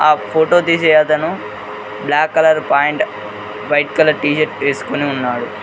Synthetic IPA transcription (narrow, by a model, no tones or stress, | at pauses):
aːpʰoːʈoːt̪iːʃɛjaːt̪ɐnu | blaːkːɐlɐɾpaːjeɳʈ | ʋɐjʈkɐlɐɾʈiːʃɐʈʋeːsu̥koniunːaːɽu